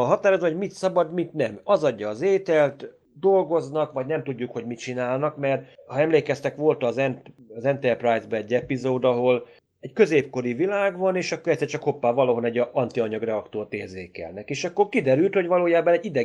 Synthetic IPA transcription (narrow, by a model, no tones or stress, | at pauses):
ɦɒt̪aːɾozʋɒɦomit̪sɒbɒd̪mit̪nɛmɒzɒɟːɒːzeːt̪ɛlt̪ | d̪o̞lɡo̞znɒkʋɒɟnɛmt̪uɟːukho̞ɟmit͡ʃinaːlnɒkmɛrt̪hɒɛmleːkɛst̪ɛkʋo̞lt̪ɒːzɛnt | ɒzɛnt̪ɛrprajzbɛɛɟːɛpizoːd̪ɒɦo̞l | ɛckø̞zeːpko̞ɾivilaːɡʋɒneːʃɒkːoɾɛt̪sːɛrt͡ʃɒkho̞pːaːvɒlɒɦo̞nɛɟːɒnt̪iɒɲɒɡrɛɒkt̪ort̪eːrzeːkɛ̰lnɛkeːʃɒkːo̞rkid̪ɛɾylt̪ho̞ɟʋɒloːjaːbɒnɛɟːid̪ɛ